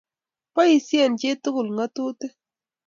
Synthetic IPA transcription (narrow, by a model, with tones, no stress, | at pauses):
pa˦i˨si˦ɛ˨nd͡ʒe˦tʊ˦kʊ˨lŋa˦tu˦tɛ˦